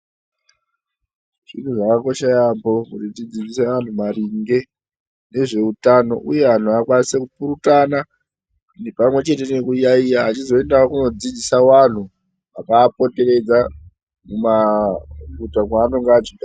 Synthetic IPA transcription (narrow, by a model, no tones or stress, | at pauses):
ʐ̥in̤uʐakako̞ʃajambo̞kutitid͡zid͡ziseʋan̤umaɾiŋɡe̞ | ne̞ʐe̞utano̞̰ʔuje̞ɦan̤uakwanisekupuɾutana | ne̞pamwe̞t͡ʃe̞te̞nekujaijaɦːt͡ʃizo̞e̞ndaakuno̞d͡zid͡zisawan̤u | akaːpo̞te̞re̞d͡za | muma | ɡutakwaːnoŋɡaad͡ʒika